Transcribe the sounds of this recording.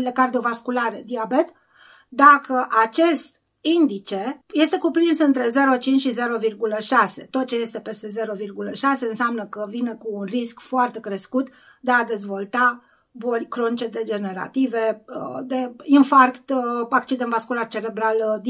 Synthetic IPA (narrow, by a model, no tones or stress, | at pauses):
lekard̪iovaskulaɾed̪iabe̞t̪ | d̪akʰəʔat͡ʃe̞st̪ | ind̪it͡ʃe̞je̞st̪e̞kupɾinsɨnt̪ɾe̞ze̞ɾo̞t͡ʃint͡ʃʲʃize̞ɾo̞virɡuləʃase̞t̪o̞t̪̚t͡ʃe̞je̞st̪e̞pe̞st̪e̞ze̞ɾo̞virɡuləʃase̞ɨnseamnəkəvinəkuːnriskfoart̪e̞kɾe̞skut̪ | d̪e̞ad̪e̞zvo̞lt̪a | bolʲkɾo̞nt͡ʃed̪e̞d͡ʒe̞ne̞ɾa̰t̪iveəd̪e̞infarkt̪akt͡ʃid̪envaskulart͡ʃe̞ɾe̞bɾald̪